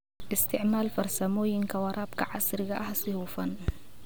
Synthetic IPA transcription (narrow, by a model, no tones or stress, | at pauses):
ʔɪst̪ʰɪʕmaːlfɐrsɐmɔːjɪŋkʰɐwɑɾʔɑːbkʰɐʕɑsɾɪɣɐʔɐhsɪhuːfɐn